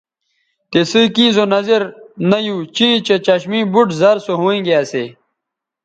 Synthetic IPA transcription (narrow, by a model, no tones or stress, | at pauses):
t̪esɨkĩːzonɐzeɾnɐjuːt͡ɕĩːt͡ɕet͡ɕɐɕmĩːbuʈzɐɾsoɦõːẽɡeasḛ